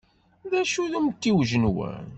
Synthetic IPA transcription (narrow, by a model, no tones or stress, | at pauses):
ðæʃuðumt̪ːiwʒənwæ̰n